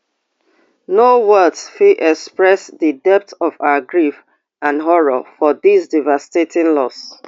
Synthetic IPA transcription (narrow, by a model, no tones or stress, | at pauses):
nowɜdsfiʔɛkspɹɛsðədɛp̚tɔvaʊəɡɹif | ãnɦɔɹɔfɔðisdivastetĩnlɔs